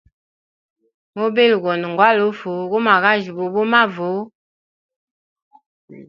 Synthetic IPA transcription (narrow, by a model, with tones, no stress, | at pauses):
mo˦be˦lu˨ɣɔ˨nu˨ŋ˨ɡwa˦lo˦fo˨ɣo˦ma˨ɣa˦ʒi˨bo˨bo˦ma˦vo˨˦